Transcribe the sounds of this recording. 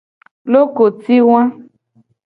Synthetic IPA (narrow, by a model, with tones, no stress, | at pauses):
lo˦ko˨ti˦w̃ã˦